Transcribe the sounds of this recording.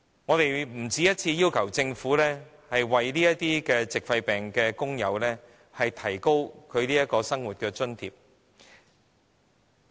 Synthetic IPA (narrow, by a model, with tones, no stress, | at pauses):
ŋɔː˨˧t̪e˨jm̩˨˩t͡siː˨˧jɐ˥t̚t͡sʰiː˧jiː˥wkʰɐ˨˩wt͡sɪ˧ŋfuː˨˥lɛː˥ | hɐ˨jwɐ˨jliː˥jɐ˥tt̪iː˥kɛː˧t͡sɪ˨k̚fɐ˧jpɛː˨ŋkɛː˧kʊ˥ŋjɐ˨˧wlɛː˥ | hɐ˨jt̪ʰɐ˨˩jko˥wkʰɵ˨˧ɥliː˥jɐ˥t̚kɔː˧sɐ˥ŋwuː˨t̚kɛː˧t͡ʃɵ˥nt̪ʰḭː˨p̚